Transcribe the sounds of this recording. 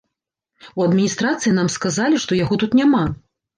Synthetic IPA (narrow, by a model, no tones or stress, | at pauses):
uɐd̪mʲinʲist̪ɾat̪sɨinamskazalʲiʂt̪ɔjaɣɔt̪ut̪nʲama